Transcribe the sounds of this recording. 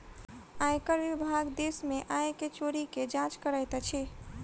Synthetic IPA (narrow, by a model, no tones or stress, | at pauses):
ajkəɾʋibʱaɡd̪esmeʔajket͡ʃoɾiked͡ʒãt͡ʃkəɾəjt̪t͡ʃʰi